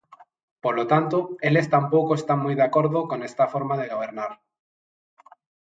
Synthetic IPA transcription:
po̞lot̪ant̪oe̞le̞st̪ampo̞koest̪anmujðeako̞ɾðoko̞ne̞st̪afo̞ɾmaðe̞ɣ̞o̞β̞e̞ɾnaɾ

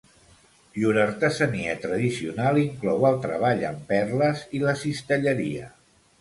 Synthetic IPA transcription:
juɾəɾt̪əzəniət̪ɾəðisiunalˠiŋklɔwəlˠt̪ɾəβ̞aʎə̰mpɛrləziləsist̪əʎəɾiə̰

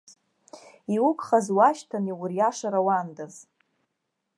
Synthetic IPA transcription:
iwʊkʷʰʼχazwaʃtʰaniwʊrjaʂaɾawandaz

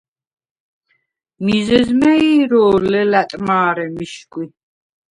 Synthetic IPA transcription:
mizɛzmɛiːɾɔːlɛlat̪ʼmaːɾɛmiʃkʼwi

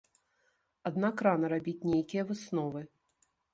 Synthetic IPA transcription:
ad̪nakɾanɐɾabʲit͡sʲnʲejkʲijɐvɨsnɔvɨ

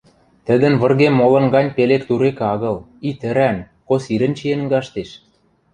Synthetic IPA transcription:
t̪ə̆d̪ə̆nβɤ̆rɣemːolɤ̆nɡɑnʲpelekt̪uɾekɑɣɤ̆l | it̪ə̆ɾæn | kosiɾə̆nt͡ɕienɡɑʃt̪eʃ

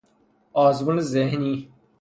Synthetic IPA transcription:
aːzmunzeɦniː

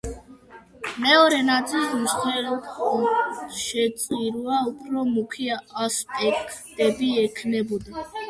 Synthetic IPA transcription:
mɛɔɾɛnad̪t̪sʼilˠzmsχɛlɔt̪ɔʃɛt̪sʼiɾuaupʰɾɔmukʰiaːspʼɛkʰd̪ɛbiɛkʰnɛbɔd̪a

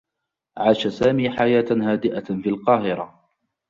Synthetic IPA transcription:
ʕaːʃasaːmiːħajaːt̪haːd̪ɪʔafiːlqɑːhɪɾa

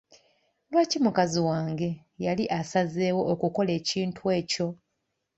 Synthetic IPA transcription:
lwaːcimukaziwaːŋɡe̞ | jaliʔasazeːwo̞ːkuko̞le̞ːciːntwwe̞ːco̞

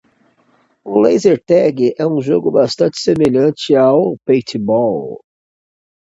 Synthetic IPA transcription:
ʊlejzeɾt̪ɛɡɪʔɛũʒoɡʊbast̪ɐ̃t͡ʃɪ̥semeʎɐ̃t͡ʃɪawpejt̪ɪbɔl

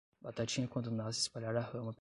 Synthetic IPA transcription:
bat̪at͡ʃĩɲɐkwɐ̃d̪ʊnasɪispaʎaɾahɐ̃mɐp

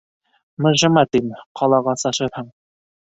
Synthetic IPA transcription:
mɤ̆ʒɤ̆mɑt̪imqʰɑlˠɑʁɑsɑʃɤɾhɤɴ

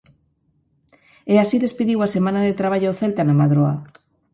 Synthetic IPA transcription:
easiðe̞spiðiwasemãnaðet̪ɾaβ̞aʎoθelt̪anamaðɾoa̰

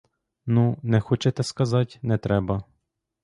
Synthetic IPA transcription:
nunɛxɔt͡ʃɛt̪ɛskɐzɑtʲnɛt̪ɾɛbɐ

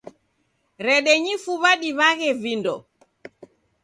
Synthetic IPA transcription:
ɾɛɗɛɲifuβaɗiβaɣɛvindɔ

